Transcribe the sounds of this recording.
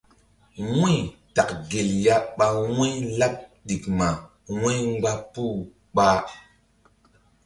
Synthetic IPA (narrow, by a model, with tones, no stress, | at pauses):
wĩ˦jta˨kɡe˨lja˦ɓa˧wẽ˦la˦p̚ɗi˨kma˨ | wẽ˦jŋ͡mɡ͡ba˦pu˦ | ɓa˦